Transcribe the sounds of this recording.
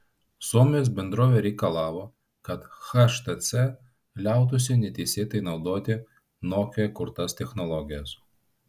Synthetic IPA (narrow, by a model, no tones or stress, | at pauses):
suɔmʲejos̬bʲɛnd̪ɾoːʋʲɛɾʲɛɪkɐlˠɑːʋoː | kɐt̪xɐʃt̪ɐt̪sʲɛ | lʲæˑʊt̪̬ʊsʲɪnʲɛt̪ʲɛɪsʲeːt̪ɐɪnɒʊd̪oːt̪ʲɪ | noːkʲɛkʊɾt̪ɐst̪ʲɛxnɔlˠɔɡʲɪjɛs